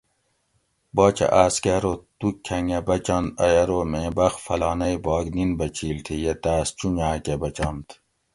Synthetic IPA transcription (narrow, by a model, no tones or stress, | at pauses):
bɔːt͡ʃɐ̰ʔaːskeɾot̪ukʲʰːɐŋebɐt͡ʃɑnt̪ɐ̰jɐɾomẽːbɐxfɐlɑːnɐjbɔːɡninbɐt͡ɕʰiːlt̪ʰijet̪aːst͡ʃuɲaːkebɐt͡ʃɑːnt̪